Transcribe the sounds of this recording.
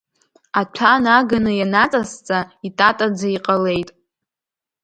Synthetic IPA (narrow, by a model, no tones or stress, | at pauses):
at͡ʃʷʰanaɡanɨjanat͡sʼast͡sʼaitʼatʼad͡zaiqʼale̞jtʼ